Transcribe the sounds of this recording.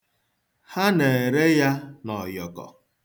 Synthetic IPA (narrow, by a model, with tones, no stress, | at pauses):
ha˦ne˨ɾe˦ja˦nɔ˨jɔ˨kɔ̰˨